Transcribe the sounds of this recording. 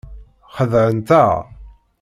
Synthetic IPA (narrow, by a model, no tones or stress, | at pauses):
χəðʕənt̪ə